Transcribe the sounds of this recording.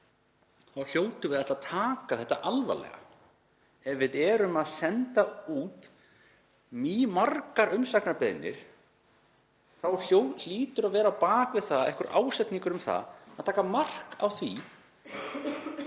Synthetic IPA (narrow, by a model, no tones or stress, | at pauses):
θawl̥joːwt̪ʏvɪðaht̪at̪ʰaːkaθɛht̪ːa̰ʔalva̰lɛ̰ɣa̰ | ɛvvɪðɛɾʏmaðsɛnt̪auːt̪ | mimarkaɾʏmsaknapɛðnːɪ̰ɾ̥ | θawl̥jowl̥iːt̪ʏɾaðvɛːɾapaːkvɪðθaðɛ̰hkʏɾʔaːwsɛt̪niŋkʏɾʏmθa̰ðaðt̪ʰaːkamar̥ka̰wθvi